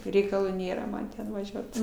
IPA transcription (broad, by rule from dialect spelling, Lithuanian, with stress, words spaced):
rʲɛɪkɐˈlˠuː ˈnʲeːrɐ ˈmɐn ˈtʲɛn ʋɐˈʒʲuɔt